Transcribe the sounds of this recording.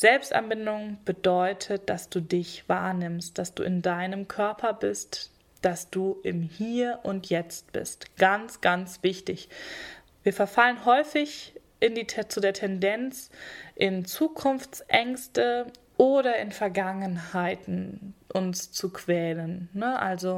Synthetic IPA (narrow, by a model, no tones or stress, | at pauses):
z̥ɛlpstʔa̰nbɪndʊŋb̥ədɔʏtʰət̚d̥asd̥uːdɪçv̥a̰ːɐnɪmst̚d̥asd̥ṵːɪndaɪnəmkʰœɐpʰɐbɪst | d̥asd̥uːʔɪmhiːɐʔʊntʰjɛt͡st̚b̥ɪ̰stɡ̥ant͡sɡ̥ant͡sv̥ɪçtɪç | viːɐfɛɐfalənɦɔʏfɪç | ʔɪndit͡sudeːɐtʰɛndɛnt͡sʔɪnt͡suːkʰʊnft͡sʔɛŋstə | ʔoːɾɐɪnfɛɐɡaŋənhaɪtn̩ʔʊnst͡sukv̥ɛːlənːəʔalzo